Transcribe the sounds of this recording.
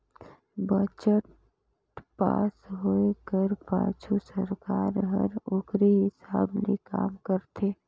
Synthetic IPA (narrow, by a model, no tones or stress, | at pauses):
bət͡ʃəʈ | pa̰ːsɦoːekəɾpa̰ːt͡ʃʰusəɾkaːɾɦɐ̰ɾʊɡɾeɦɪsaːblḭka̰ːmkəɾt̪ʰeː